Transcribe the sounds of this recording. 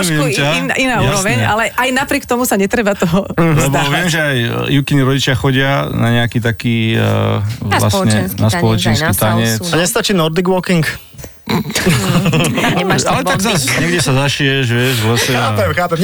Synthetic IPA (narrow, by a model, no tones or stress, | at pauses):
miɛmcainaːaːɾɔʋɛɲalɛʔajnapɾɪɛk̚t̪ɔmusaɲɛt̪ɾɛbat̪ɔɦɔlɛbdɔʋɪɛmʒɛajjukiɲiɾɔɟit͡ʃɪaxɔɟɪanaɲɛakiːt̪akiː | la̰sɲɛnaspɔlɔt͡ʃinskut̪aɲɛt͡sɲɛst̪at͡ʃiːnɔɾd̪iɡʋɔkiŋk | ɛaalɛt̪aɡzasɲɲɛɡɟɛsazaʃiɛʒʋɪɛʒʋɔsɛaːpɛmxaːpɛm